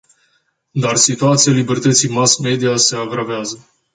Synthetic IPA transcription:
d̪arsit̪uat̪sijalibe̞rt̪ət̪sijmasme̞d̪iase̞aɡɾaveazə

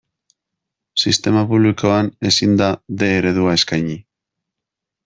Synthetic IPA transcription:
sist̪e̞mapuβliko̞ane̞sind̪aðe̞ːɾe̞ðuae̞skajɲi

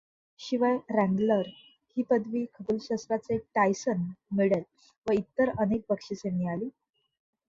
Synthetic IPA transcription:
ɕiʋəjɾæ̃ŋɡləɾ | hiːpəd̪ʋiːkʰəbulɕasɾat͡seʈajsənmiɭel | ʋəit̪ːəɾənek̚pəkʂisemialiː

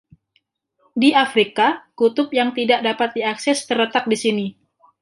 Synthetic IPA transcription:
diafɾikakut̪ʊp̚jaŋt̪idaʔdapat̪̚diaksɛst̪ərlət̪ak̚disini

